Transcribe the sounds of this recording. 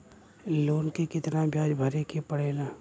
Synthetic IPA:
loːnkekɪt̪nabʱjaːd͡ʒbʱɐɾekepɐɽ̤eːlaː

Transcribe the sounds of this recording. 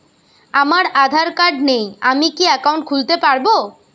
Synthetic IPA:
amaɾad̪ʱaɾkaɖnejamikiɛkawɳʈ̚kʰult̪epaɾbo

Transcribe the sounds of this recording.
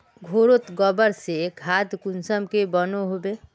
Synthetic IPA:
ɡʱoɾot̪ɡəbəɾsekʰad̪kunsəmkebənoɦobe

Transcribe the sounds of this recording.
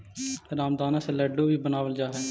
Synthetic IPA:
ɾaːmd̪aːnãːseləɖːoːbiːbənaːʋəld͡ʒaːɦɛː

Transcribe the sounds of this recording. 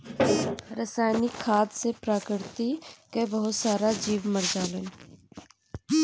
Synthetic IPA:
ɾəsaːjnɪkʰːaːd̪sepɾaːkɪɾt̪ikebɐɦʊt̪saːɾad͡ʒiːʋməɾd͡ʒaːlən

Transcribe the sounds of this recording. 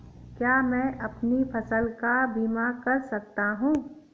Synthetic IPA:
kjaːmɛ̃ʔɐpnipʰɐsəlkabiːmakɐɾsɐk̚t̪aɦũː

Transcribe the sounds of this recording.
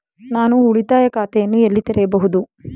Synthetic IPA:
naːnuːɭit̪aːjɐkaːt̪ɛjɐnːuelːit̪ɛɾɛjɐbɐɦud̪u

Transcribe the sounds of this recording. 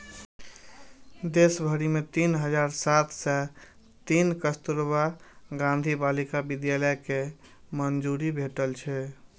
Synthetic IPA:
d̪esbʱəɾimet̪inɦəd͡ʒaɾsat̪ʰsɛ | t̪inkəst̪uɾbaɡãnd̪ʱibalikabid̪jaləjke | mənd͡ʒuɾibʱeʈəlt͡ʃʰɛ

